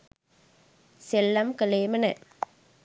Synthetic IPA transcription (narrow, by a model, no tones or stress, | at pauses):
sɛlːɐmkɐleːmɐnɐ